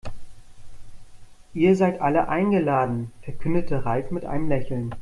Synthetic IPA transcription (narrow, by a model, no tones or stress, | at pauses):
ʔiːɐzaɪtʔaləʔaɪnɡəlaːdn̩fɛɐkʰʏndətʰəʁaɪfmɪtʔa̰ɪnəmlɛçl̩n